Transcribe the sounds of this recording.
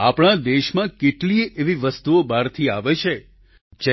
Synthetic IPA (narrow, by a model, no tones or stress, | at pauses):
apɳ̃ad̪eʃmãkeʈliʔeʋiʋəst̪uobaɾt̪ʰiaʋet͡ʃʰe | d͡ʒɛ